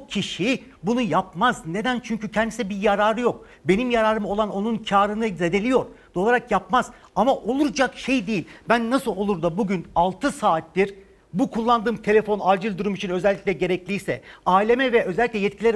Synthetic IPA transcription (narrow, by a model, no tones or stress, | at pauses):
cʰiʃi | bunujapmazne̞d̪ænt͡ʃʰyɲcycʰɛnd̪isɛbijaɾaːɾɯjo̞k̚ | be̞nimjaɾaːɾɯmo̞lˠano̞nuncʰaːɾɯnɯzed̪e̞lʲijo̞ɾd̪̥o̞lˠaɾakjapmaz̥ | amaʔo̞lˠuɾd͡ʒakʃe̞jd̪ejilʲbænːasɯlˠo̞lˠuɾd̪abuɟynalˠt̪ʰɯsaːt̪ːiɾ | bukʰulˠːand̪ɯːmt̪ʰe̞lʲe̞fo̞naːd͡ʒɯlʲˠd̪uɾumit͡ʃʰinø̞zɛlʲːicʲlʲɛɟe̞ɾɛclʲijsɛaːilʲe̞mɛvɛʔø̞zɛlʲːiclʲɛjɛt̪̚cʰilʲɛɾ